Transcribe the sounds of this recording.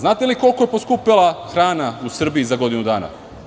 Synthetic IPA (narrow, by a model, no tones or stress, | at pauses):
znaːt̪eliko̞lˠko̞jepo̞skupilˠaxɾaːnausr̩biizaɡo̞d̪inud̪aːna̰